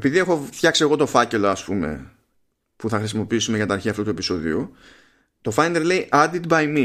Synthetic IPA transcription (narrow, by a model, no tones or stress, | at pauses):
epiðie̞xo̞fçɐksie̞ɣo̞t̪o̞fɐce̞lo̞ɐspume̞̰ | puθɐxɾisimo̞piisumekɐt̪ɐɾçiɐft̪ot̪ue̞piso̞ðḭu | t̪o̞fɐnelle̞jʔɐd̪id̪bɐjmi